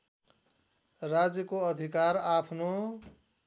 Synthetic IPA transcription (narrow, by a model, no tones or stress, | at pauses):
rad͡zjʌkoʌd̪ʱikaɾapʰno